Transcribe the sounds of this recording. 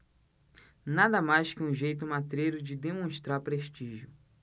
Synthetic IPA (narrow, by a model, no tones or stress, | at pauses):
nad̪ɐmajskɪũʒejt̪ʊmat̪ɾejɾʊd͡ʒɪd̪emõʃt̪ɾaɾpɾeʃt͡ʃiʒjʊ